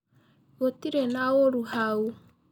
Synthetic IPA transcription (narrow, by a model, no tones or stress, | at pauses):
βotiɾenaoɾuɦau